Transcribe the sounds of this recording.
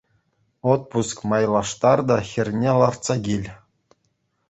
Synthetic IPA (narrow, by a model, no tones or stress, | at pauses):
ot̪̚puskmɑjlˠɑʂt̪ɑrd̪ɑxʲɘ̆rʲnʲelˠɑrt̪sɑɡʲilʲ